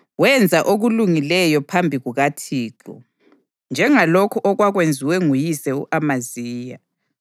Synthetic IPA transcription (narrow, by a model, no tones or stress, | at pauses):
wɛnd͡zʱaʔoɣuluŋilɛjɔpʰambʱiɣuɣatʰiːǁɔ̰ | nd͡ʒʱɛŋalokʰuʔɔɣwaɣwend͡zʱiwɛŋujisɛṵʔamaziːja